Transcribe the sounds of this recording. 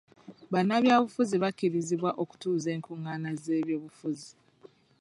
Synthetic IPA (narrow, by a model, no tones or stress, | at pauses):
βanaβjaːβufuziβakːiɾiziβwaʔo̞ku̥tuːze̞ːŋkʰuŋːaːnaze̞ːβjo̞ːβufuzi